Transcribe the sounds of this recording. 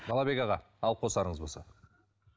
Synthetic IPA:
bɑlˠɑbe̞ɡɑʁɑ | ɑlˠqʰo̞sɑɾəɴəzbo̞lˠsɑ

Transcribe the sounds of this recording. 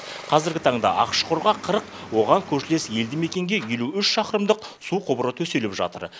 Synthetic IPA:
qʰɑzɪɾɡʲɪt̪ʰɑɴd̪ɑ̰ʔɑ̰qə̥ʃqʰoɾʁɑqʰəɾəqwo̞ʁɑŋkʲʰɵʃɪle̞sje̞ld̪ɪme̞kʲe̞ŋɡʲe̞je̞luʏʃʃɑqəɾəmd̪əqsuqʰobəɾət̪ʰɵse̞lɪpʒɑ̰t̪ə̰ɾ

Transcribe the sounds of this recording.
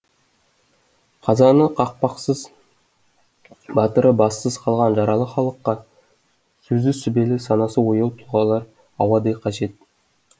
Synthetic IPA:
qʰɑzɑnəqʰɑq̚pɑqsəz | bɑt̪əɾəbɑsːəzqʰɑlˠʁɑnʒɑɾɑlˠəχɑlˠəqːɑ | sɵzɪsʏbelɪsɑnɑsəwojəlˠt̪ʰʊʁɑlˠɑɾ | ɑwɑd̪ejqʰɑʒe̞t̪̚

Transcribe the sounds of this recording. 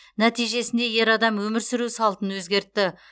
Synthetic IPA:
næt̪ijʒe̞sɪnd̪eje̞ɾɑd̪ɑmwɵmɪɾsɪɾusɑlˠt̪ənwɵzɡʲe̞ɾt̪ːɪ

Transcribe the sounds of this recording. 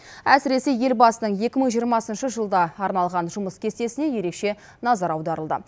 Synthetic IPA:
æsɪɾe̞se̞je̞lbɑsənəɴje̞kʲɪməɴʒijəɾmɑsənʃəʒəlˠd̪ɑːɾnɑlˠʁɑnʒʊməskʲʰe̞st̪e̞sɪne̞je̞ɾe̞kʃe̞ | nɑzɑɾɑwd̪ɑɾəlˠd̪ə̰

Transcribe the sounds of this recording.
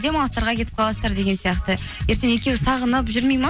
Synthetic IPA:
d̪emɑlˠəst̪ɑɾʁɑkʲe̞t̪ɪp̚qʰɑlˠɑst̪ɑɾd̪e̞ɡʲesijɑqt̪ə | je̞ɾt̪ene̞kʲe̞wsɑʁənəpʒʏɾmejmɑ

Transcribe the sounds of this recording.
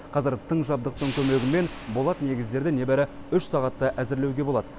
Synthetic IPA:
qʰɑzəɾt̪ʰəɴʒɑb̚d̪əq̚t̪əɴkʲʰɵme̞ɡʲɪme̞n | bo̞lˠɑt̪ne̞ɡʲɪzd̪e̞ɾd̪ɪne̞bæɾɪ | ʏʃsɑʁɑt̪ːəʔæzɪɾlewɡʲe̞bo̞lˠɑd̪ə

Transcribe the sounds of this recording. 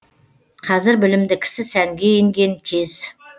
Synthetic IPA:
qʰɑzɪɾbɪlɪmd̪ɪkʲʰɪ̥sɪsæŋɡʲe̞jeŋɡʲe̞ŋkʲʰez̥

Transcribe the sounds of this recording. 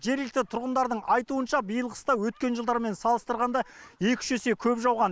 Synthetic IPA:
ʒe̞ɾlɪk̚t̪ɪt̪ʰʊɾʁənd̪ɑɾd̪əɴɑjt̪uənʃɑbijəlˠʁə̥st̪ɑwɵt̪̚kʲe̞nʒəlˠd̪ɑɾme̞nsɑlˠəst̪əɾʁɑnd̪ɑe̞kʲɪ̥ʒɵse̞kʲʰɵpʒɑwʁɑn

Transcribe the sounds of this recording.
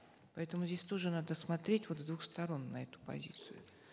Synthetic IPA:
pɐɛt̪əmʊzʲdʲesʲt̪o̞ʐɨnad̪əsmɐt̪ɾʲetʲvo̞t̪zd̪vuxst̪ɐɾo̞nːɐɛt̪ʊ̥pɐ̰zʲḭt̪sɨjʊ̰

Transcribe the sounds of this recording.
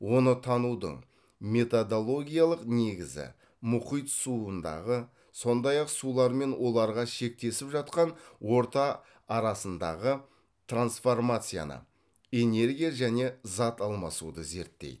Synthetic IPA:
wo̞nət̪ʰɑnud̪ə̰ɴ | me̞t̪od̪olˠo̞ɡʲijalˠəqne̞ɡʲɪzɪ̰ | mʊqijt̪suənd̪ɑ̰ʁə | so̞nd̪ɑjɑqsulˠɑɾme̞nwo̞lˠɑɾʁɑʃe̞k̚t̪e̞sɪpʒɑt̪qɑnwo̞ɾt̪ɑː | ɾɑsənd̪ɑ̰ʁə | t̪ransfo̞rmat̪sɨja̰nə̰ | e̞ne̞ɾɡʲijaʒæne̞zɑt̪ɑlˠmɑsṵd̪əze̞̰ɾt̪ːḛjd̪ɪ

